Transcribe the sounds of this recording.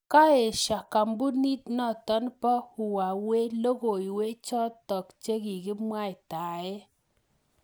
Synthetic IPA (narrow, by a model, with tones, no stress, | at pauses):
ka˦e˨ʃa˨ka˨mbu˦ni˦t̚nɔ˦˨tɔ˦npɔ˦hu˨wa˨we˦lo˦ɣo˨i˨we˦t͡ʃɔ˦tɔ˨kt͡ʃe˦ki˨kɪ˦mwa˦˨ɪ˨ta˨ɛ˦